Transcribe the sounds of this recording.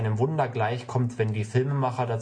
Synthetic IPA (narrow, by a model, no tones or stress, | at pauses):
ɪnəmvʊndɐɡlaɪçkʰɔmtv̥ɛndiːfɪlməmaχɐdat͡s